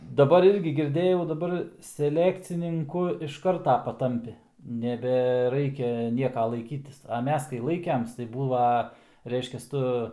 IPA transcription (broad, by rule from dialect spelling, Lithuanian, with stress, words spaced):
dɐˈbɐr ˈɪrʲɡʲɪ ɡʲɪrʲˈdʲeːjɛʊ dɐˈbɐr sʲɛˈlʲæːkt͡sʲɪnʲɪŋkʊ ɪʃ ˈkɐrtɐ pɐˈtɐmʲpʲɪ nʲɛbʲɛˈrɐɪkʲɛ ˈnʲiɛkɐ lˠɐɪˈkʲiːtʲɪs ɐ ˈmʲɛs kɐɪ ˈlˠɐɪkʲɛms tɐɪ ˈbuːʋɐ ˈrʲɛɪʃʲkʲɛs ˈtʊ